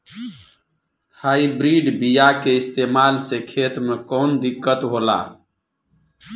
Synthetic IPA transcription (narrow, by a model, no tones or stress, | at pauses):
aːibɾiɖbijakeist̪emalsekʰet̪mekɔnd̪ikːət̪ɦola̰